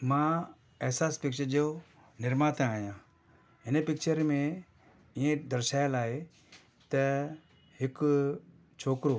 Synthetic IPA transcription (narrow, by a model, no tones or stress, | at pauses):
mãː | ɛɦsaːspɪk̚t͡ʃəɾd͡ʒeo | nɪɾmãːt̪ʰẽaːjãː | ɪnəpɪkt͡ʃəɾmẽ | iẽd̪əɾʃaːjəlaːɦe | t̪ɐ | ɦɪk | t͡ʃʰoːkɾo